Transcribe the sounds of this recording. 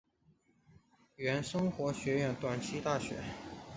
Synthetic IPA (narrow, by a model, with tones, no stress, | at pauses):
ɥɛ˧˥nʂɤ˥ŋxwɔ˧˥ɕɥɛ˧˥ɥɛ˨˥˩nt̪wa˨˩nt͡ɕʰi˥t̪a˥˩ɕɥɛ̰˧˥